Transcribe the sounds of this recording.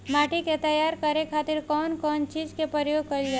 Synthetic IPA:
maːʈiket̪əjaːɾkəɾẽkʰaːt̪ɪɾkɔːnkɔːnt͡ʃiːd͡ʒkepəɾjoːɡ̚kɐɾɪld͡ʒaː

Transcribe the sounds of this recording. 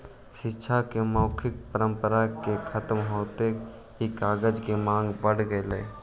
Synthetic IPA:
ʃɪtːʃʰakeməːkʰɪk̚pəɾə̃mpəɾakekʰət̪mɦoːt̪e | ɦikaːɡəd͡ʒkemãːŋɡbəɽ̤ɡəeləe

